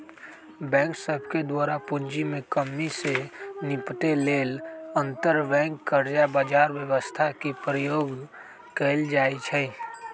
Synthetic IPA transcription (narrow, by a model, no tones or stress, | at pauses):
bɛ̃ːŋksəbʱked̪waːɾapʊnd͡ʒimẽkəmːisenɪpt̪eleːlə̃nt̪əɾbɛ̃ːŋkːəɾd͡ʒabaːd͡ʒaːɾwjəwəst̪ʰakipɾəjoːɡ | keːld͡ʒaːit͡ʃʰɛ